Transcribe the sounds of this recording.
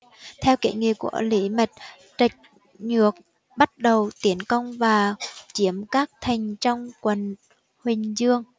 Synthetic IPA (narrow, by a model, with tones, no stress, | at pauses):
t̪ʰɛ˧wkḛ˧˩ŋḭ˧˨kṵ˧˩əlḭ˧˦mə˨˩t̚ | t͡ɕa˨˩jk̟̚ | ɲɨ˨˩ək̚ | ɓa˦˥t̚ɗə˨˩wt̪i˨˦ənkə˧wŋ͡mvaː˨˩t͡ɕi˧˦əmkaː˦˥k̚t̪ʰa˨˩jŋ̟t͡ɕɔ˧wŋ͡mkwə˨˩n | hwï˨˩ŋ̟zɨ˧əŋ